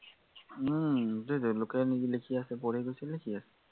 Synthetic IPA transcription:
dodolʊkɛniilekʰiasɛpɔɹɛɡojsɛlekʰiasɛ̥

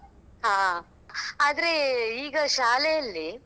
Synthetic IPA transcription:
ɦaː | aːd̪ɐɾeiːɡɐʃaːlejɐlːi

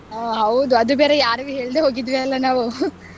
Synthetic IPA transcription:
ɦɐwd̪uɐd̪ubeːɾejaːɾuʋiɦe̞ːɭid̪eɦo̞ːɡid̪ʋeɐlːɐnaːʋu

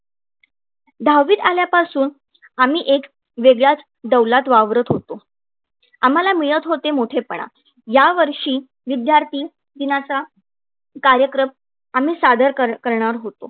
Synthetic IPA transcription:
d̪ʱawʋiːt̪aljapasuːn | am̤iːʔek | ʋeɡɭjat͡s | d̪əwlat̪ʋaʋɾət̪ɦot̪o | am̤alamijət̪ɦot̪emoʈʰepəɳa̰ | jaʋəɾʂiː | ʋid̪jaɾt̪iː | d̪inat͡sa | kaɾjəkɾəm | am̤iːsad̪ʱəɾkəɾɳ̃aɾɦot̪o

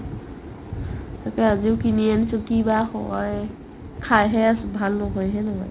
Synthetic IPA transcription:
takɛaziʊkinianisulkibahɔ̰j | kʰajɦɛasbʱalnɔɦɔjɦɛnɔɦɔ̰j

